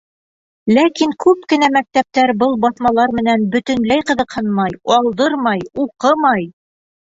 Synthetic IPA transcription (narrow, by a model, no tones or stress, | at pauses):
lækiŋkʉpkɘ̆næmæk̚t̪æp̚t̪æɾbɤlˠbɑθmɑlˠɑɾmɘ̆nænbɵ̆t̪ɵ̆nlæjqɤ̆ðɤ̆qhɤnmɑjɑlˠd̪ɤɾmɑjuqɤmɑj